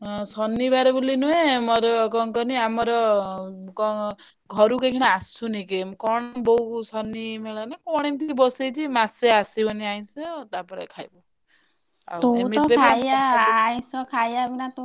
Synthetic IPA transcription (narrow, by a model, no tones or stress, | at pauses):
sɔnːibaɾɔbulinuẽmɔɾɔkɔŋkɔniamɔɾɔ | kɔ | ɡʱɔɾukekʰiɽ̃aasunekemkɔɽ̃ɔbɔɦusɔnimeɭɔnakɔɽ̃emt̪ibɔsejt͡ʃʰimaseasibɔniaj̃sɔt̪apɔɾḛkʰajbɔ | a̰woemiɔt̪ɾejaːj̃sɔkʰajabinat̪u